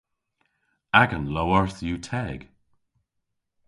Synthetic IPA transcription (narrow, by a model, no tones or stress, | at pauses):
aɡə̃nlowəɹθjuːtʰɛɡ̥